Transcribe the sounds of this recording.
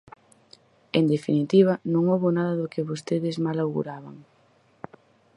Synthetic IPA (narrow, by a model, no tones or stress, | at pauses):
end̪efinit̪iβ̞ɐnõŋoβonaðɐðokɪβost̪eðɪzmalawɣṵɾaβaŋ